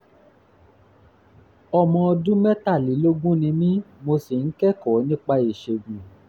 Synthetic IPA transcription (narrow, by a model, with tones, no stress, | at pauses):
ɔ˧mɔ̃˧ɔ˧dũ˦mɛ˦ta˦˨li˨˦lo˦ɡũ˦nĩ˧mĩ˦mo˧si˨n̩˦kɛ˦kɔ˨˦nĩ˦k͡pa˧i˨ʃe˧ɡũ˨